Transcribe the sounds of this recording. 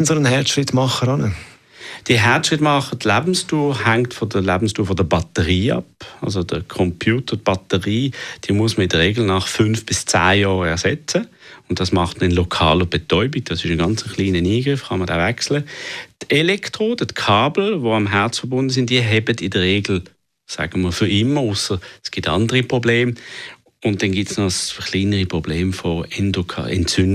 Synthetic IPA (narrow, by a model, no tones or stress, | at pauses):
nsoənhɛɐtʃɾɪtmɑχəɾɑnə | d̥iːɦɛɐtʃʁɪtːmɑχədlæːbn̩stuːʁhaŋtfɔdəlæːbn̩stuːfɔdəbɑtəʁiːɑ̰pɑ̰lz̬od̥əkʰɔmpʰjuːtəb̥ɑtəʁiːd̥iːmuəsməɪd̥əʁeːɡl̩nɑχfʏnfb̥ɪst͡sa̰ːjɔːʁɛɐsɛt͡səʊntd̥ɑsmɑχtməɪnlɔkʰɑ̰ːləb̥ɛtɔʏbiɡ̥̚d̥ɑsɪʃənɡɑnt͡sənχliːnəniːɡ̥ʁɪfχɑməda̰ːvɛkslətʰɛlɛktʁoːd̥ətkʰɑːbl̩voɑmɦɛɐt͡sfəɐbʊndəsɪntd̥iːəɦɛbədɪdəʁeːɡl̩ | sa̰ːɡ̥əməfʏɪmːəʊsəsɡ̥ɪtɑndəʁipʁobleːm | ʊntd̥ɛnɡɪtsnɔsχliːnəʁipʁɔbleːmfɔɛndokʰɑ̰ɛ̰ntt͡sʏn